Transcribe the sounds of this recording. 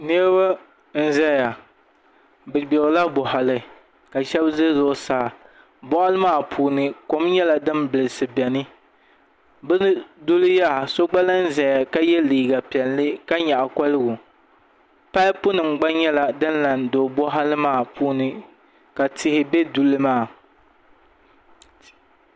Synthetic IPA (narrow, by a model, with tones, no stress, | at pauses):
nɛ˦ɾba˦ | n̩˦zɛ˦ja˨ | bɨ˨ɡ͡bo˨ɾla˦bɔ˨ɦa˨lɨ˨ | ka˨ʃɛ˦bzɨ˦zʊ˦saː˦˨ | bɔ˦ʔa˦lɨ˦maː˦˨pʰuː˦nɨ˦ko˦mɲɛ˦la˨dɨ˦mbɨ˨lɨ˨sɨ˨bɛ˨nɨ˦ | bɨ˦n˦dʊ˦lɨ˦ja˦˨so˦ɡ͡ba˦la˦n̩˦zɛ˨ja˨ka˦jɛ˦liː˨ɡa˨pi˨ɛ˨lːɨ˦ka˦ɲa˨ʔa˨ka˦lɨ˦ɡʊ˨ | pa˦ɪ˦pʊ˦nɨ˨mɡ͡ba˦ɲɛ˦la˨dɨ˦nla˨ndoː˨bɔ˦ɦa˦lɨ˦maː˦˨puː˦nɨ˨ | ka˨tʰɪ˨hɪ˨bɛ˦du˨lɨ˦maː˦˨